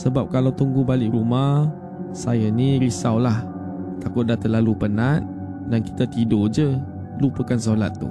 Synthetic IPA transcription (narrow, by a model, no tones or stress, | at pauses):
səbap̚kalawt̪uŋɡubalɪʔɾumah | sajanĩɾisawlah | t̪akʊt̪̚dat̪əlalupənat̪̚ | danki̥t̪at̪idod͡ʒə | lupəkans̬ula̰t̪ːṵ